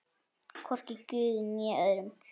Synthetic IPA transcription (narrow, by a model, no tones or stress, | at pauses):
kʰɔrcɪcʏːðnjɛœðɾʏm